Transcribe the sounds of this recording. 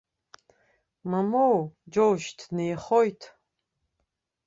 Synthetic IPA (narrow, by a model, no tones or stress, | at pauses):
mamowd͡ʒowʒtʰnejχojtʰ